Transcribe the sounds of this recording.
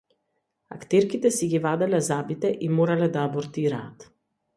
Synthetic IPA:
a̰kt̪ɛɾkit̪ɛsiɡʲivad̪ɛlɛzabit̪ɛʔimɔɾalɛd̪aːbɔɾt̪iɾaːt̪

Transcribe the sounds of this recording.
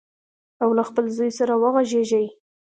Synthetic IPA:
awlaxpəlzujsaɾawəɣaʒeʒaj

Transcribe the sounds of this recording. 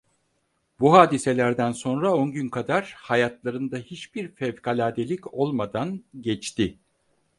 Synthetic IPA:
buɦaːd̪ise̞lʲæɾd̪ænso̞nɾao̞nɟynkʰad̪aɾ̥hajat̪lˠaɾɯnd̪ahit͡ʃbiɾfɛvkʰalʲaːd̪elʲico̞lˠmad̪anɟɛt͡ʃt̪i

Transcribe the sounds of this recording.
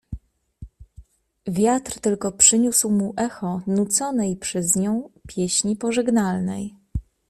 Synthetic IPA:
vʲjat̪ɾt̪ɘlkɔpʂɘɲuswmuʔɛxɔnut̪sɔnɛjpʂɛzɲɔ̃w̃pʲjeɕɲipɔʐɛɡnalnɛ̰j

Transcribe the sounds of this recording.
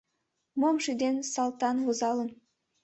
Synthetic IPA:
momʃyd̪ensɑlt̪ɑnwozɑlən

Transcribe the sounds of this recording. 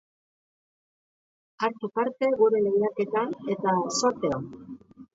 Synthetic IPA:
aɾt̪up̪aɾt̪e̞ɣuɾe̞leɣjiake̞t̪ane̞t̪aso̞ɾt̪e̞on

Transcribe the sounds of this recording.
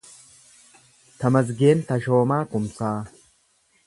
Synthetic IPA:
t̪ɐmɐzɡeːnt̪ɐʃoːmaːkʊmsaː

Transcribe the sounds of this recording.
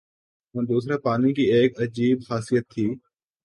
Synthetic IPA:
ɦɐ̃ːd̪uːsɾaːpaːnikieːkɐd͡ʒiːbxaːsijət̪ʰːiː

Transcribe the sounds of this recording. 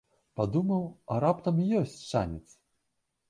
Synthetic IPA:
pad̪umɐwɐɾapt̪ɐmjɔsʲt͡sʲt͡ʂa̰nʲɛt̪s

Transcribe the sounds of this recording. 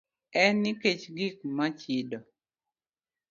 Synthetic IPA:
ɛnːɪket͡ʃɡik̚mat͡ʃidɔ

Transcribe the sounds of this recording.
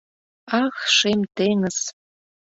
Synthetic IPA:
ɑxʃemt̪eŋə̆s

